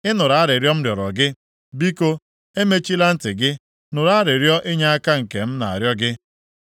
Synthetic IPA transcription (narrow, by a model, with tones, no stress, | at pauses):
ɪ˦nʊ˨ɾa˨˦ɾɪ˨ɾjɔ˦m̩˦ɾjɔ˨ɾɔ˨ɡɪ˦ | bi˦ko˦ | e˦me˦t͡ʃi˦la˦n̩˦tɪ˨ɡɪ˦ | nʊ˨ɾa˦ɾɪ˨ɾjɔ˦ʔɪ˦ɲa˦a˦ka˦ŋ̩˨ke˨m̩˦na˨a̰˨ɾjɔ˦ɡɪ˦